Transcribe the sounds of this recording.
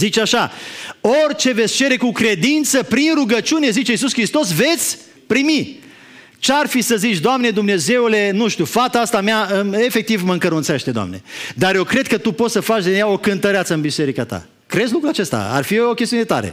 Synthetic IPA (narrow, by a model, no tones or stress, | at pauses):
zit͡ʃaʃao̞rʲt͡ʃe̞ve̞t̪sʲt͡ʃe̞ɾe̞kukɾe̞d̪int̪səpɾinruɡət͡ʃune̞zit͡ʃe̞is̬uskɾist̪o̞s̬ve̞t̪sʲ | pɾimi | t͡ʃearfisəzit͡ʃʲd̪oamne̞d̪umne̞ze̞ule̞nuʃt̪ufat̪aast̪ameaɨme̞fek̚t̪ivməɨŋkəɾunt̪seʃt̪e̞d̪oa̰mne̞̰d̪arjewkɾe̞d̪̚kət̪upo̞t̪səfat͡ʃd̪injao̞kɨnt̪əɾeat̪səɨnbise̞ɾikat̪a̰ | kɾe̞dzlukɾuat͡ʃe̞st̪a̰a̰rfiokʲest̪iune̞t̪a̰ɾḛ